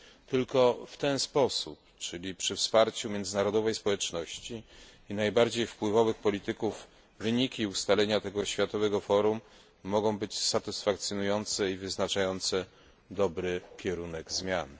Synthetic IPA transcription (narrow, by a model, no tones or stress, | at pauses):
t̪ɘlkɔft̪ɛnspɔsup | t͡ʂɘlʲipʂɘfspaɾt͡ɕumʲjɛnd̪zɘnaɾɔd̪ɔvɛjspɔwɛt͡ʂnɔɕt͡ɕiinajbaɾd͡ʑejfpwɘvɔvɘxpɔlʲit̪ɘkuv | vɘɲikʲiust̪alɛɲat̪ɛɡɔɕfʲjat̪ɔvɛɡɔfɔɾumː | ɔɡɔ̃w̃bɘt͡ɕsat̪ɘsfakt̪sʲjɔnujɔnt̪sɛivɘznat͡ʂajɔnt̪sɛ | d̪ɔbɾɘkʲɛɾunɛɡzmʲjan